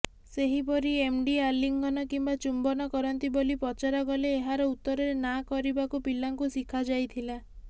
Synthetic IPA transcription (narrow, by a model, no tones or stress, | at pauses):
seɦipɔɾiemɖialiŋɡʱɔnɔkimbat͡ʃumbɔnɔkɔɾɔnt̪ibolipɔt͡ʃaɾaɡɔleːɦaɾɔut̪ːɔɾɔɾenakɔɾibakupilaŋkusikʰad͡ʒajt̪ʰila